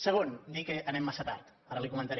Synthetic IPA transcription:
səɣ̞ond̪ikeʔənɛmːasət̪a̰ɾt̪ | aɾəlikumənt̪aɾ

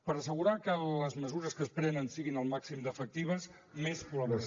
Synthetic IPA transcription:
pəɾəsəɣ̞uɾakələzməzuɾəskəspɾɛnənsiɣinəlˠmaksimd̪əfək̚t̪iβ̞əs | mesplɔβəs

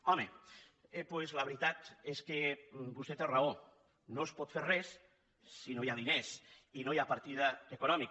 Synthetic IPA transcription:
ɔmeepwezlaβɾit̪at̪eskebust̪et̪erao | nospɔt̪feɾrɛsː | inojaðinesinojapaɾt̪iðaekunɔmik

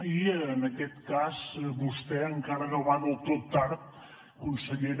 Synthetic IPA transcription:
ienaket̪kasbust̪eaŋkaɾaɣaβanot̪ot̪aɾt̪̚ | kunseʎeɾ

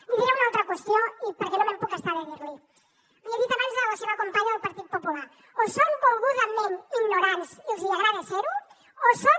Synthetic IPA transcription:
liðiɾeunaolˠt̪ɾɐkwest̪joipəɾkenomempukest̪aɾeβiɾli | mieβit̪amenzaβoseβakompaɲaðelˠpaɾt̪it̪̚popula | osoŋkolˠɣuzalmẽniɣnoɾansilˠziaɣɾaðeseɾu | oso

